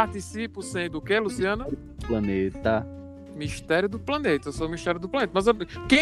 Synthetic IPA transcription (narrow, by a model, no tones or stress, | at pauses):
aɾt̪isipʊsẽj̃d̪ʊkelusiɐ̃nɐ | plɐnet̪ɐ | miʃt̪ɛɾjʊd̪ʊplɐnet̪ɐewsomiʃt̪ɛɾjʊd̪ʊplɐ̃net̪ɐmɐzɐkẽ